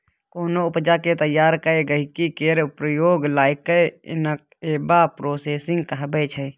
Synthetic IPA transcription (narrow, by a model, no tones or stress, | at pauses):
koːnoʊpd͡ʒaːket̪əjːaːɾkəeɡəɪkikeːɾpɾəjoːɡlaːɪkəɪ̰nək̚ | eːbapɾoːseːsɪ̃ŋɡkəɦbət͡ʃʰə